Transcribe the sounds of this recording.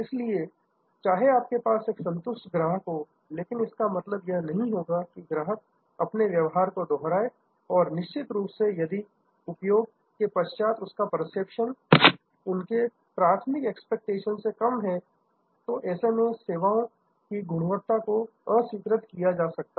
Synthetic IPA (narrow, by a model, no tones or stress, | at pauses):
ɪslie | t͡ʃaːɦeaːp̚kepaːseːksɐ̃nt̪ʊʃʈɡɾaːɦəko | leːkɪnɪskamɐt̪ləbjɐɦnɐɦĩɦoːɡakiɡɾaːɦək̚ | ɐpneʋjɐʋɦaːɾkod̪ɔɦɾaːe | ɔːɾnɪʃt͡ʃɪt̪ɾuːpsejɐd̪i | ʊpjoːɡ̚ | kepɐʃt͡ʃaːt̪ʊskapɐɾseːpʃən | ʊnke | pɾaːt̪ʰmɪkɛːkspɛk̚ʈeːʃənsekɐmɦɛ | t̪oʔɛːsemẽseːʋaːõ | kiɡʱʊɽ̃ʋəɾt̪ːako | əsʋɪk̪ɾət̪kijad͡ʒaːsɐk̚t̪aː